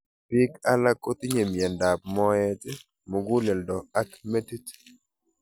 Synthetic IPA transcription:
pɪ˦ka˦la˦ko˦t̪i˦ɲe˨mjɛ˨nda˨p̚mɔ˦ɛ˦t | mo˨ɡu˦lɛ˨ldɔ˨a˦kme˦ti˦t

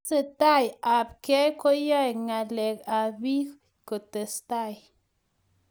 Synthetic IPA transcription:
sə˦˨t̪a˦ja˨p̚ke˦jko˦ja˦jŋa˨le˨ka˨bi˦ | ko˨t̪e˨st̪a˦j

